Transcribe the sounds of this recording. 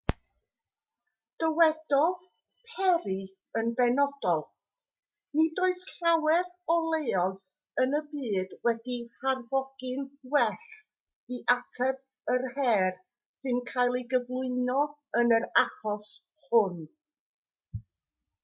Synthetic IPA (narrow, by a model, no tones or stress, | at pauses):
d̥əwɛdɔð | pʰɛɾi | ənbɛnɔd̥ɔlˠ | nidoːɨsɬawɛrɔlˠeːɔð | ənəbiːdwɛdiharvɔɡ̥ɨnwɛɬ | iʔatʰɛb̚ | ərhɛr | sɨnkʰajlˠiɡəvlˠʊɨnɔ | ənəɾaχɔs | hʊn